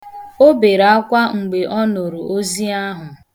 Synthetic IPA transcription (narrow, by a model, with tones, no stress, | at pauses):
o˦be˨ɾa˦kʷa˦ŋ͡m̩˨ɡ͡be˨ʔɔ˦no˨ɾu˨ʔo˦zi˦a˦ɦʊ˨